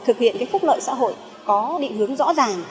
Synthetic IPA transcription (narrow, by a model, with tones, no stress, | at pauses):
t̪ʰɨ˨˩k̚hḭ˧˨ənkaː˨˦jfʊ˦˥k͡p̚lə̰ː˧˨jsa̰ː˧˥ɦo̰˧˨j | kɔ˨˦ɗḭ˧˨hɨ˨˦əŋzɔ̰˧˥zaː˨˩ŋ